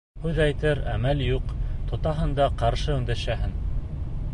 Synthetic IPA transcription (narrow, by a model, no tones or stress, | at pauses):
hʉðæjt̪ɘɾæmæljuqt̪ŏt̪ɑɦɤ̆nd̪ɑqɑɾʃɤɵ̆ŋd̪æʃæɦɘn